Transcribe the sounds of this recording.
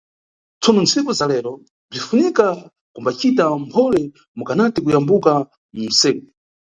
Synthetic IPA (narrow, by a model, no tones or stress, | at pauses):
t͡sɔnɔnt͡sʰikɔzalɛɾɔ | b͡ʐifunika | kumbat͡ʃitampʰɔlɛ | mukanatikujambuka | mum̩sɛːku